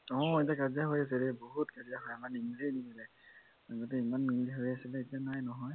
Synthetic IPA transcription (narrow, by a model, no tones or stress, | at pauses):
ɔ̃etiakaziaɦojas̬ɛɾɛboɦutkaziaɦojamanimlinimilɛ | aɡot̬ɛimanːimliɦojasilɛetijanajnɔɦɔj